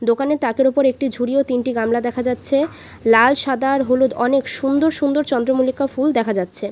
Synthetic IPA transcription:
d̪okanet̪akeɾopoɾek̚ʈid͡ʑʱuɽiot̪inʈiɡamlad̪ɛkʰad͡ʑatːɕʰe | lalʃad̪aɾɦolud̪ɔnekʃund̪oɾʃund̪oɾt͡ɕɔnd̪ɾomulikːafuld̪ɛkʰad͡ʑatːɕʰe

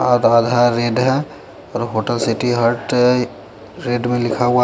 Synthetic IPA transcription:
ad̪aːd̪ʱaɾːeːɖɦɛ̃ | ɔːɾɦoːʈəlsɪʈiɦəɾʈ | ɾeːɖmẽlɪkʰaɦua

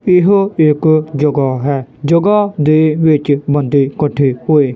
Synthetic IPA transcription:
ɪɦoɪkd͡ʒəɡaːɦɛːd͡ʒəɡad̪eːʋɪt͡ʃbə̃nd̪iːkəʈʰːiːhoːeː

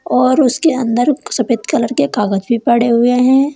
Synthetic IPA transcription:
ɔːɾʊskeɐ̃nd̪əɾsɐpeːt̪kɐləɾkekaːɡəd͡ʒ̪bʱipɐɽeɦʊeɦɛ̃ː

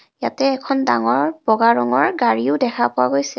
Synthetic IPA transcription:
jatɛːkʰɔndaŋɔɹbɔɡaɹɔŋɔɹɡaɹiʊdɛkʰapʊwaɡojsɛ

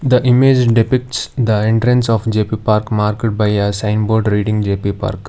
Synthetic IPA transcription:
d̪əʔɪmeːd͡ʒɖɪpɪk̚ʈsd̪əẽɳʈɾə̃nsɔːfd͡ʒeːpipaːɾkmaːɾkeʈ̚baɪəsãɪ̃nboːɾɖɾiːɖɪ̃ŋd͡ʒeːpipa̰ːɾk

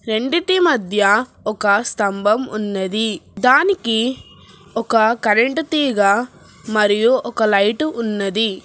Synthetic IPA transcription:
ɾe̞ɳɖiʈimɐd̪ʱjɐ | ɔkɐst̪ɐmbʱɐmunːɐd̪id̪aːniki | ɔkɐkɐɾeɳʈut̪iːɡɐ | mɐɾijuʔɔkɐlɐjʈuʔːnːɐd̪i

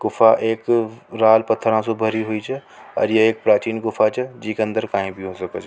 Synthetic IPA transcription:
kʊfʰaʔeːkɾaːlpɐt̪ʰːəɾãsobʱəɾiɦoit͡ʃʰɛ | ɔ̰ːɾjeeːk̚pɾaːt͡ʃiːnkʊfʰat͡ʃʰɛd͡ʒiːkeɐə̃nd̪əɾkaːĩbʱiɦosɐkət͡ʃʰ

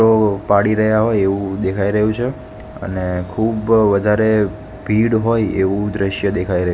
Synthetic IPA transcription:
opaɽiɾəɦjaɦojeʋũd̪ekʰaiɾəɦjũt͡ʃʰe | ə̰nekʰubʋəd̪ʱaɾe | bʱiɽɦojḛʋũd̪ɾəʃjəd̪ekʰaiɾəɦ

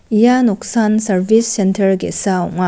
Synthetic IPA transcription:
ijanok̚sansɐɾbisːentʰɐɾɡesaɔ̰ŋa

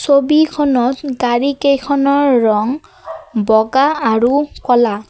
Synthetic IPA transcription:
sobikʰɔnɔtɡaɹikejkʰɔnɔɹːɔŋ | bɔɡaaɹukɔla

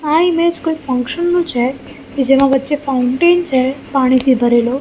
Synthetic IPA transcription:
ãimed͡ʒkoifə̃ŋkʃənːũt͡ʃʰe | ked͡ʒemãʋətːʃefauɳʈent͡ʃʰepaɽ̃it̪ʰibʱəɾelo

